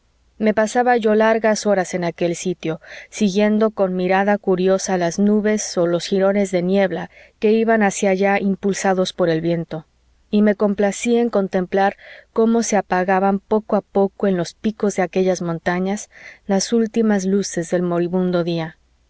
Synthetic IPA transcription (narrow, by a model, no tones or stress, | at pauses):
me̞pasaβaʝo̞laɾɣaso̞ɾase̞nake̞lsit̪jo̞siɣje̞nd̪o̞ko̞nmiɾaðakuɾjo̞salaznuβe̞so̞lo̞sxiɾo̞ne̞zðe̞nje̞βlake̞iβanasjaʝaimpulsaðo̞spo̞ɾe̞lβje̞nt̪o̞ | ime̞ko̞mplasieŋko̞nt̪ẽ̞mplaɾko̞mo̞se̞apaɣaβampo̞koapo̞ko̞e̞nlo̞spiko̞zðe̞ake̞ʝazmõnt̪aɲaslasult̪imazluse̞zðe̞lmo̞ɾiβũnd̪o̞ðia